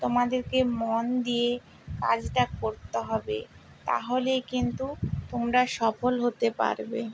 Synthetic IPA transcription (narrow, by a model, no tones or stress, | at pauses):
t̪omad̪eɾkemond̪ije | kad͡ʑʈakoɾt̪eɦɔbḛ | t̪a̰ɦolekint̪ut̪omɾaʃɔfolɦot̪epa̰ɾbe